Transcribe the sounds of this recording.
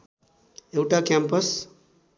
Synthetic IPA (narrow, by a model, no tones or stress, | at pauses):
ewʈakampəs